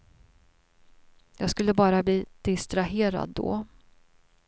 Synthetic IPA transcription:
jɑːɡskɵlːəbɑːɾabliːd̪̥ɪst̪ɾaɦeːɾa̰d̪ːɔ̰

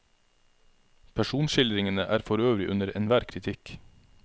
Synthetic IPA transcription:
pʰæʃuːnʃɪlɾɪŋənəʔæːɾfɔɾøːʋɾɪʔʉnəɾɛnʋæːɾkʰɾɪt̪ʰɪk

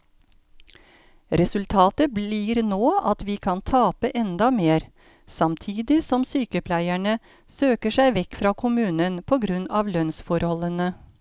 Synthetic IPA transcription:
ɾɛsʉlt̪ʰɑːt̪əbliːɾnoːɑt̪ʋiːkʰɑnt̪ʰɑːpəʔɛnd̪ɑmeːɾ | sɑmt̪ʰiːd̪ɪsɔmsyːkəpʰlæɪæɳə | søːkəʂæɪʋɛkfɾɑːkʰʊmʉːnənpʰoːɡɾʉnɑːʋlœnsfɔɾhɔlənə

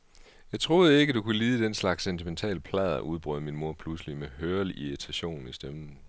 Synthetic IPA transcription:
jɑ̈ɪt͡sʰʁo̝ːð̞̩ˠəe̝ɡ̥əd̥ukʰuliːð̞ˠəd̥enslɑ̈ɡ̥sːent͡sʰiment͡sʰɛ̰ːləpʰlɛðˠɐʔuð̞ˠb̥ʁœ̰ðˠminmo̝ɐ̰pʰluslimeɦøːɐlʔiʁit͡sʰæɕo̝̰ːnn̩isd̥emn̩

